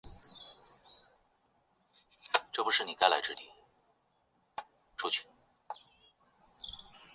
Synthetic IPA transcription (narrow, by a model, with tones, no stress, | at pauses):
ʈ͡ʂɤ˥˩pu˧˥ʂɻ̩˥˩ni˨˩ka˥ɪla˧˥ɪʈ͡ʂɻ̩˥˩t̪ḭ˨˩ | ʈ͡ʂʰu˥t͡ɕʰy˧˥n